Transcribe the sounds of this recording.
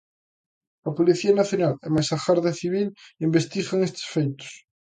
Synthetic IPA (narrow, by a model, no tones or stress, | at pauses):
ɐpoliθiɐnaθjonalɛmajsaxaɾðeθiβ̞ilimbest̪iɣaŋest̪ɪ̥sfejt̪ʊ̥s